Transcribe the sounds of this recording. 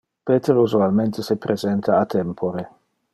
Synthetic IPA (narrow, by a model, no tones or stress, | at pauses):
peːt̪eɾuzualment̪esipɾʔezɛnt̪ʰaːt̪ɛmpʰoɾe